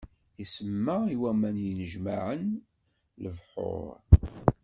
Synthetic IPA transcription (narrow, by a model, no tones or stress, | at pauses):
isəmːaiwæmænjənəʒmaʕən | ləvħʊ̰ɾˤ